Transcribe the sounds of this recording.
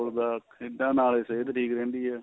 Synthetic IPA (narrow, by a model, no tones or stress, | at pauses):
ɾd̪aːɪd̪ãːnaːleseːt̪ʈʰiːkɾẽːnd̪iːɛː